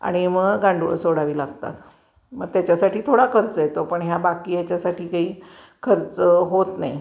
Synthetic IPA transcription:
a̰ɽ̃iməɡɡãɳɖuɭə̰soɽaʋiːlaɡt̪a̰t̪ | məɡ̚t̪jat͡ɕjasaʈiːt̪ʰoɽakʰəɾt͡səjet̪opəɳɦjabakiːjat͡ɕjasaʈiːkaɦiː | kʰəɾt͡səɦot̪na̰j

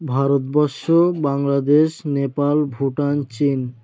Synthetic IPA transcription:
bʱaɾot̪bɔɾʃobaŋlad̪eʃnepalbʱuʈant͡ɕin

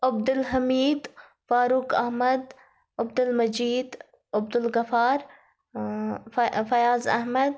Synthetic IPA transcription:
ɐb̚d̪ʊlɦɐmiːd̪ | faːɾukɐɦmɐd̪ | ɐbd̪ʊlmɐd͡ʒiːd̪ | ɐb̚d̪ʊlɡɐfaːɾ | fɐjaːzɐ̰ɦmɐd̪̚

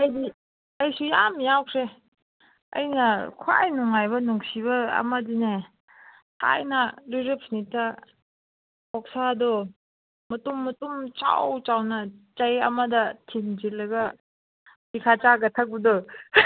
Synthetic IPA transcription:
ɐjdi | ɐjsujamjawkʰɾe | ɐ̰jnɐkʰwa̰jnuŋajbɐnuŋsibɐɐ̰mɐdine | ka̰jnɐliɾepsnitʰɐ | ɔk̚sadɔ | mɐtumːɐtumt͡ʃa̰wt͡ʃawnɐt͡ʃɐjɐ̰mɐdɐtʰind͡ʒilːɐɡɐ | bikʰat͡ʃaɡɐtʰak̚bɐdɔ

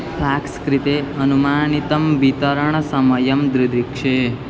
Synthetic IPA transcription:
pʰaːkskɾit̪eɐnumaːnit̪ɐmʋit̪ɐɾəɳ̃sɐmɐjɐmd̪ɾid̪ikʂe

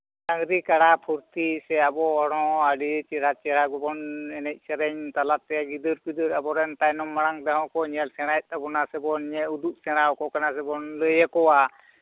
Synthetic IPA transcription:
saŋɾikaɽapʰuɾt̪isɛabɔɔɽɔ̃aɖit͡ʃiɾat͡ʃɛɾaɡɔbɔnɛnɛc̚ˀsɛɾɛɲt̪alat̪ːɛaɡid̪ɯɾpid̪ɯɾabɔɾɛnt̪ajnɔmːaɽ̃aŋd̪ɛɦɔ̃kɔɲɛlsɛɽ̃ajt̪̚abɔnasɛbɔnɲɛud̪uʔ̚sɛɽ̃awkɔkanasɛbɔnləjakɔwa

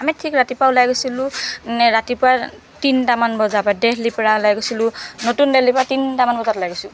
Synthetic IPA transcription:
amitʰikɹatipawlajɡosilʊ̃ɛɹatipʊɹa | tintamanbɔzabadɛhlipɹalajɡosilʊnotundɛhlipɹatintamanbɔzatlajɡosʊ̃

